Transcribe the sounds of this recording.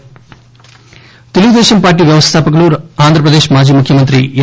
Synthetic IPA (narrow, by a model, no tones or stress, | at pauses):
t̪eluʋud̪eːʃɐmpaːɾʈ̬iːʋjɐʋɐst̪ʰaːpɐkɐɭuːɾaːnd̪ʱɾɐp̬ɾɐd̪eːʃmaːd͡ʒiːmukʰjɐmɐnt̪ɾḭ